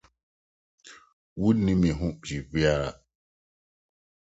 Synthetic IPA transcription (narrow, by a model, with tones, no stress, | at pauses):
wu˦nːi˦mi˨ɦũ˦ʔd͡ʒi˨bi˦a˦˨